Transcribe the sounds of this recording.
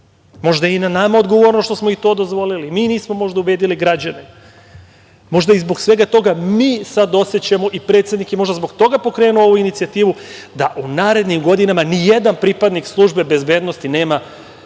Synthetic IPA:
mo̞ʒd̪ainanamao̞d̪ɡo̞ʋo̞ɾnoʃt̪osmoit̪o̞ːd̪ozʋo̞lilimiːniːsmo̞mo̞ʒd̪aube̞ːd̪iliɡɾad͡ʑane | mo̞ʒd̪aizbo̞ɡsʋe̞ɡat̪o̞ɡamiːsad̪o̞set͡ɕemo̞ʔipɾet̪sjed̪nikjemo̞ʒd̪azbo̞ɡt̪o̞ɡapo̞kɾe̞ːnuoo̞ʋuinit̪siat̪iːʋud̪aʔunaːɾe̞d̪nimɡo̞d̪inamanije̞d̪anpɾipad̪nikslˠuːʒbe̞be̞zbe̞ːd̪no̞st̪ine̞ːma

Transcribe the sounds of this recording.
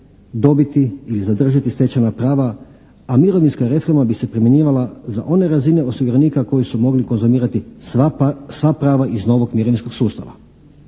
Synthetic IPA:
d̪o̞bit̪iilizad̪r̩ʒat̪isʋe̞t͡ɕanapɾaːʋa | amiɾo̞ʋinskaɾe̞fo̞ɾmabise̞pɾimje̞ɲiːʋalaza̰ʔo̞ne̞ɾazine̞o̞siɡuɾeniːkako̞jisumo̞ɡliko̞nzumiːɾat̪i | sʋapɾaːʋaʔizno̞ʋo̞ɡmieɾoʋinsko̞ɡsuːst̪a̰ʋa̰

